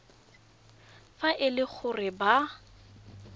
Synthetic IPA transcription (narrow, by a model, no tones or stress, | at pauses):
faʔɪlɪk͡xʰʊrɪba